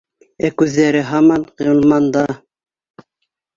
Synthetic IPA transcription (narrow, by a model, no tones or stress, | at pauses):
ækʉðːæɾɘɦɑmɑnjɤ̆lˠmɑnd̪ɑ